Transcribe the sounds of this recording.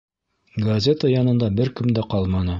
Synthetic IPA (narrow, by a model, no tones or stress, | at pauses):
ɡɐzʲet̪əjɒnɤ̆nd̪ɑbɘɾkɵ̆md̪æqɑlˠmɑnɤ